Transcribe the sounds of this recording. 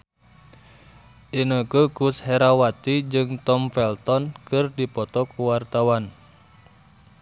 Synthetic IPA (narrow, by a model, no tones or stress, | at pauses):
ʔinoɡukushɛɾawat̪id͡ʒɨŋt̪ɔmfɛlt̪ɔnkɨrdipɔt̪ɔkuwart̪awan